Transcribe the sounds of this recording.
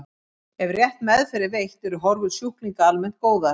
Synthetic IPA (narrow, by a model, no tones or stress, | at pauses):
ɛvrjɛht̪mɛðfɛɾɪvejht̪ɛɾʏɾɦɔɾvʏðsuhkliŋkaalmɛn̥t̪̚koːwða